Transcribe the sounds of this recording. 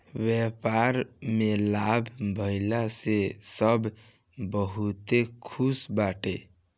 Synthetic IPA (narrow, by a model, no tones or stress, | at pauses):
bjɛpaɾmelabʱbʱəɪlasesəbʱ | bəɦut̪ekʰusbaʈe